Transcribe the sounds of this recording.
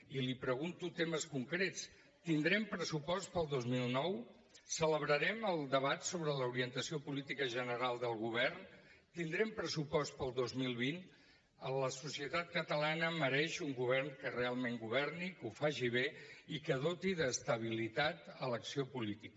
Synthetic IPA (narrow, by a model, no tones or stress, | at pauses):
ilipɾəɣunt̪ut̪eməskuŋkɾet͡s | t̪ind̪ɾɛmpɾəsupɔst̪̚pəlˠd̪ozmilˠnɔw | sələβɾəɾɛməlˠd̪əβat̪soβɾələuɾiənt̪əsiopulit̪ikəʒənəɾalˠd̪əlˠɣuβ̞ɛrnt̪ind̪ɾɛmpɾəsupɔst̪̚pəlˠd̪ozmilˠβin | ələsusiət̪at̪̚kət̪əlanəməɾɛʃuŋɡuβ̞ɛrnkərealˠmeŋɡuβ̞ɛrnikufaʒiβ̞eikəðot̪iðəːst̪əβ̞ilit̪at̪ələksiopulit̪ikə